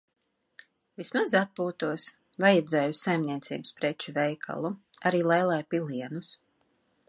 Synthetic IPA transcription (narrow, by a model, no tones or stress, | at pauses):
vismazat̪̚puːt̪uɔs | vajɛd̪zɛːjusajmniɛt̪sḭːbspɾɛt͡ʃuvɛjkʰa̰lˠuaɾiːlˠɛjlˠajpilˠiɛnus